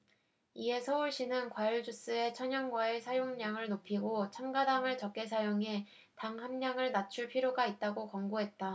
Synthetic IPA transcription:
ie̞sʰʌuɭɕ͈inɯnkwajuɭd͡ʑus͈ɯe̞t͡ɕʰʌɲʌŋɡwaesʰajoŋɲaŋɯɭnopʰiɡot͡ɕʰaŋɡadaŋɯɭt͡ɕʌk͈e̞sʰajoŋe | taŋhamɲaŋɯɭnat͡ɕʰuɭpʰiɾjoɡait̚t͈aɡokʌŋɡoɦe̞t̚t͈a

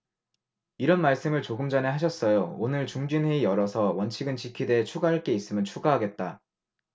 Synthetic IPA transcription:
iɾʌnmaɭs͈ɯmɯɭt͡ɕoɡɯmd͡ʑane̞ɦaɕ̬ʰʌs͈ʌjoonɯɭt͡ɕuŋd͡ʑinɦe̞ijʌɾʌsʰʌwʌnt͡ɕʰiɡɯnt͡ɕikʰide̞ɦet͡ɕʰuɡaɦaɭk͈e̞is͈ɯmjʌnt͡ɕʰuɡaɦaɡe̞t̚t͈a

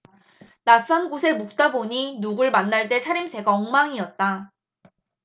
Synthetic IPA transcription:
nas͈ʌnɡosʰe̞muk̚t͈aboɲinuɡɯɭmanːaɭt͈e̞t͡ɕʰaɾimsʰe̞ɡaʌŋmaŋiʌt̚t͈a

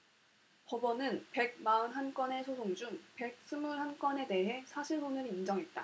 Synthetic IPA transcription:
pʌbʌnɯnpe̞ɡ̚maɯnɦank͈wʌne̞sʰosʰoŋd͡ʑuŋpe̞k̚s͈ʰɯmuɾɦank͈wʌne̞de̞ɦe̞sʰaɕʰiɭsonɯɾind͡ʑʌŋɦet̚t͈a

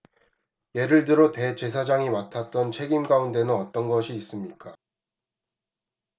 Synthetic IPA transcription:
je̞ɾɯɭdɯɾote̞t͡ɕe̞s̬ʰad͡ʑaŋimatʰat͈ʌnt͡ɕʰe̞ɡimɡaunde̞nɯnʌt͈ʌnɡʌɕʰiːs͈ɯmɲik͈a

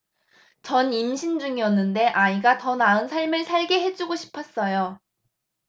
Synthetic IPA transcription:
t͡ɕʌnimɕʰind͡ʑuŋiʌnːɯnde̞ʔaiɡatʌnaɯnsʰaɭmɯɭsʰaɭɡe̞ɦe̞d͡ʑuɡoɕʰi̥pʰʌs͈ʌjo

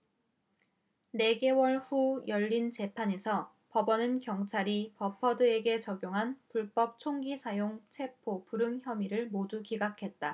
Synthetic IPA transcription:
ne̞ɡe̞wʌɭɸujʌʎːint͡ɕe̞pʰaɲe̞sʰʌ | pʌbʌnɯnkjʌŋt͡ɕʰaɾipʌpʰʌdɯe̞ɡe̞t͡ɕʌɡjoŋɦanpuɭp͈ʌp̚t͡ɕʰoŋɡisʰajoŋt͡ɕʰe̞pʰopuɾɯŋçjʌmiɾɯɭmodukiɡakʰe̞t̚t͈a

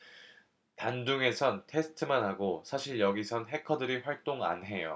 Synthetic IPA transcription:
tanduŋe̞sʰʌntʰe̞sʰɯ̥tʰɯmanɦaɡosʰaɕʰiɭjʌɡisʰʌnɦe̞kʰʌdɯɾiɸwaɭt͈oŋa̰nɦe̞jo̰

